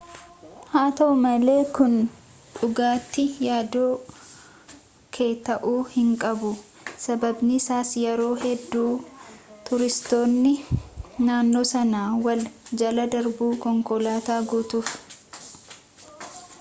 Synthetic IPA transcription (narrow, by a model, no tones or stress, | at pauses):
haːt̪ɐʊmɐle̞ːkʊn | ᶑʊɡaːt̪ːɪjaːd̪oː | kʰe̞ːt̪ɐʔuːhɪŋkʼɐbʊ | sɐbɐbnɪːsaːsjɛɾo̞ːɦɛd̪ːuːt̪ʊɾɪst̪o̞ːnːɪnaːnːo̞ːsɐnaːwɐld͡ʒɐlɐd̪ɐɾbuːkɔŋkɔlaːt̪aːɡuːt̪ʊf